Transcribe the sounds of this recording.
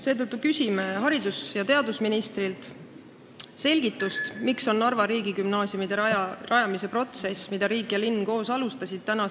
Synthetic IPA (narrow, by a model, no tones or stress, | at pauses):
se̞ːt̪ɤt̪ːˑukysʲimeɦɑɾid̪usjɑt̪e̞ɑd̪usminist̪rilt̪ | se̞lʲɡ̥it̪ːˑust̪mikso̞nːɑrvɑɾiːɡikymnɑːsjumid̪̥eɑrɑjɑmise̞pro̞t̪se̞smid̪̥ɑɾiːkjɑlinːko̞ːsɑlust̪ɑsʲid̪̥̚t̪ænɑ